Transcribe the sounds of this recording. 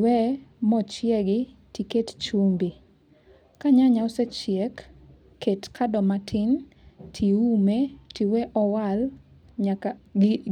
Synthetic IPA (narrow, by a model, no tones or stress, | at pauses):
wɛmɔt͡ʃjɛɡɪtikett͡ʃumbi | kaɲaɲawset͡ʃjekː | etkʰadɔmatʰɪn | tʰiumetiwɛʔɔwal | ɲa